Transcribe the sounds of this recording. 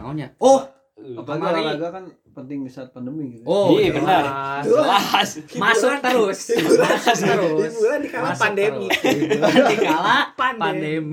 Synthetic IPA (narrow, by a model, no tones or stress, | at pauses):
oɲaoh | abamɡalaɡakan | pənt̪ɪŋmisat̪̚pandəmiɡit̪oiabənərlasmasukant̪əɾʊsdibulasəɾdsbuladikalapandemi | dikalapandpndemi